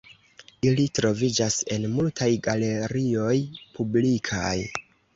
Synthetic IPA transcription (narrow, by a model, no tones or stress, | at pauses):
ilitɾo̞vid͡ʒase̞nmultʰajɡale̞ɾio̞jpʰublikʰa̰j